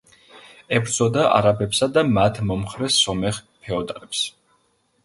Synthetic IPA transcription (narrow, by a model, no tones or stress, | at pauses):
ɛbɾd̪z̥ɔd̪aʔa̰ɾabɛpsad̪amat̪ʰmɔmχɾɛsɔmɛʁpʰɛɔd̪aɾɛps